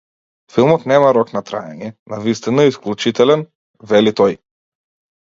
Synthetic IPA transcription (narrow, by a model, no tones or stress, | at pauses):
filˠmɔt̪nɛmaɾɔknat̪ɾa̰ɛ̰ɲɛnavist̪inaisklʲˠut͡ʃit̪ɛlɛn | vɛlit̪ɔj